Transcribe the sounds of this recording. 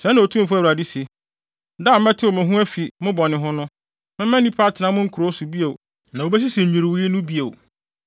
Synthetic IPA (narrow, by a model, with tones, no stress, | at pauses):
sɛ̃˦nã˨o˨tʰũ˦fu˦æ˦˨u˨ɾa˨di˦se˨˦ | da˦˨˦mɛ̃˦tʰɪ˦wɔ˨mæ̃˨ɦũ˦æ˦fi˨mʊ̃˦bɔ˨nɪ̃˨ɦʊ̃˦nʊ̃˦ | mɪ̃˦mɛ̃˦nĩ˦pʰa˦tʰɪ˨nã˦mʊ̃˦ŋ̩˦kʰu˨ɾo˦su˨bi˦e˨w | nã˨wo˨be˦s̬i˦sĩ˨ɲ̩ᶣ˨ĩ˨ɾi˨wi˦i˦nʊ̃˦bi˦e˨w